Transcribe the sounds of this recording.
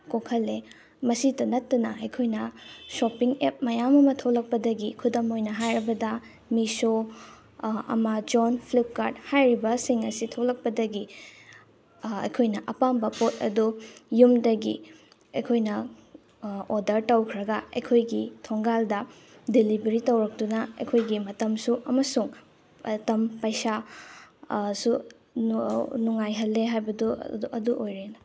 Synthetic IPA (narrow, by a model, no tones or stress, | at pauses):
kokʰɐlːe | mɐsitɐnɐtːɐnɐɐjkʰojnɐsopiŋep̚mɐjamɐmɐtʰowlɐk̚pɐdɐɡikʰudɐmojnɐɦajɾɐbɐdɐ | miso | ɐ̰mɐd͡ʒonpʰlip̚kaɾt̚hajɾibɐsiŋɐsitʰowlɐk̚pɐdɐɡi | ɐ̰jkʰojnɐʔɐpambɐpot̚ɐ̰dujumdɐɡi | ɐjkʰojnɐ | odɐɾtɐwkʰɾɐɡɐɐjkʰojɡitʰoŋɡaldɐ | dilibeɾitɐwɾɐk̚tunɐɐ̰jkʰojɡimɐtɐmsuʔɐmɐsuŋ | ɐtɐmpɐjsa | su | nuŋajɦɐlːeɦajbɐduɐduʔojɾenɐ